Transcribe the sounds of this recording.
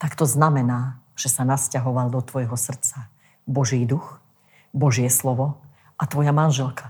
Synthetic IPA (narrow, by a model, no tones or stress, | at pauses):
t̪akt̪ɔznamɛnaːʒ̥ɛsanascaɦɔʋald̪ɔt̪ʋɔjɦɔsr̩t͡sa | bɔʒiːd̪ux | bɔʒɪɛslɔʋɔ | ʔat̪ʋɔjamanʒɛlka